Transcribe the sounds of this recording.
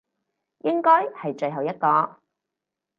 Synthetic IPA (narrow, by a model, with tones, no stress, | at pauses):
jɪ˥ŋkɔː˥jhɐ˨jt͡ʃɵ˧ɥɦɐ˨˩wjɐ˥t̚kɔː˧